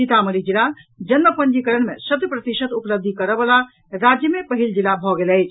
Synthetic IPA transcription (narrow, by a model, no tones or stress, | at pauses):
sit̪aməɾid͡ʒilad͡ʒənməpəɳd͡ʒikəɾəɳ̃mesət̪jəpɾət̪iʃət̪upləb̚d̪ʱikəɾəbəla | ɾad͡ʒjəmepəɦild͡ʒilabʱɔɡeləjt͡ʃʰ